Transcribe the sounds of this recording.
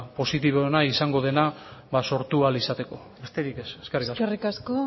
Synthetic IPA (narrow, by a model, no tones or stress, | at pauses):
po̞sit̪iβ̞oenaisaŋɡo̞ð̞e̞naβaso̞ɾt̪ualisat̪e̞ko̞ | est̪e̞ɾike̞seskerikasrikasko